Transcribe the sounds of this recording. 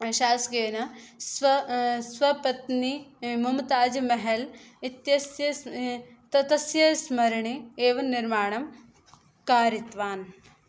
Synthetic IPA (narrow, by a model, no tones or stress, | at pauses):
ʃaːsɡeːnɐsɐsʋɐpɐt̪nimumt̪aːd͡ʒɐmɐɦelit̪jɐsjɐ | t̪ɐt̪ɐsjɐsmɐɾɳieːʋɐnːiɾmaːɳɐm | kaːɾit̪ʋaːn